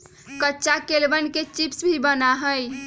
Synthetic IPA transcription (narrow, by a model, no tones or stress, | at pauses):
kətːt͡ʃakelbənket͡ʃipsbʱibənaɦəj